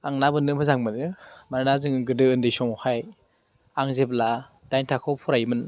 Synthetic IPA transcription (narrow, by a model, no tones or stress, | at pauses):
aŋnabɯnɯmʰɯzaŋmɯnɯmaɾnazɯŋɡɯdɯɯndejsɔŋhaj | aŋzepla | d̥ajntʰakʰɔwpʰɔɾajmɯn